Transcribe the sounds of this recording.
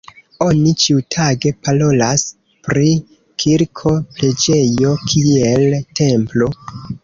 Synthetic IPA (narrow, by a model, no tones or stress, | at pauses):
o̞nit͡ʃiutʰaɡe̞palo̞las | pɾi | kʰiɾkʰople̞d͡ʒe̞jo̞kʰielte̞mplo̞